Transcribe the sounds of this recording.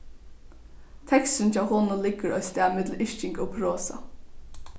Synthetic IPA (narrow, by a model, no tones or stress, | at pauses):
t̪ʰɛkst̪ənt͡ʃʰaːwɦoːnʊnlɪkːəɹɔ̰ʏst̪æːmɪt̪l̩ɪʃt͡ʃɪŋkʊpʰɹoːsa̰